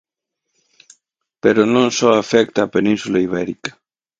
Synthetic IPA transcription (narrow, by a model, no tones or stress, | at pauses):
peɾonõŋsɔafɛk̚t̪aːpenĩnsulaiβ̞ɛɾikḁ